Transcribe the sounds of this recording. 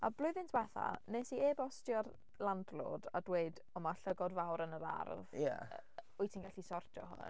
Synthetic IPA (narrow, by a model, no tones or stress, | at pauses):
a̰blʊɨðɪntʰwɛθa̰nesieːbɔstjɔr | lˠandlˠo̰ːdadweɨd | ɔmaɬəɡɔdvawɾənəɾa̰rðja̰ | ʊjtʰinɡaɬisɔrtʰjɔ̰ɦʊ̰n